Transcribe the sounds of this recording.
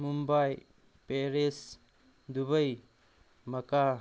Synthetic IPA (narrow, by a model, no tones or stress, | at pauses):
mumbaj | peɾes | d̪ubəj | mɐka